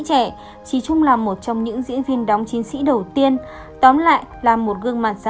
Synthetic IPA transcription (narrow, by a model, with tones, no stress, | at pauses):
t͡ɕɛ˧˩ | t͡ɕi˨˩t͡ɕʊ˧ŋ͡mlaː˨˩mːo˨˩t̚t͡ɕɔ˧wŋ͡mɲɨ̰˧˥ŋzḭ˧˥ənvi˧ənɗɔ˨˦wŋ͡mt͡ɕi˨˦ŋsḭ˧˥ɗə˨˩wt̪i˧ən | t̪ɔ˨˦nla̰ː˧˨jlaː˨˩mːo˨˩t̚ɣɨ˧əŋmaː˨˩n̚sa˧